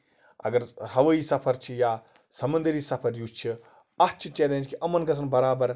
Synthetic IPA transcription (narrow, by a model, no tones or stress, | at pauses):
ɐ̰ɡɐɾhɐʋɐisɐpʰɐɾt͡ʃʰija | sɐmɐnd̪ɐɾiːsɐpʰɐɾjust͡ʃʰi | ɐt͡ʃʰit͡ʃeːlẽnd͡ʒkiʔɐmɐnkɐsʰɐnbɐɾaːbɐɾ